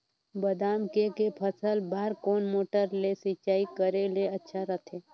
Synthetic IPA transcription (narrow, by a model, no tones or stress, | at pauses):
bəd̪aːmkekepʰəsəlbʱaːɾkoːnmoːʈəɾlesit͡ʃaːikəɾeleətːʃʰaɾət̪ʰeː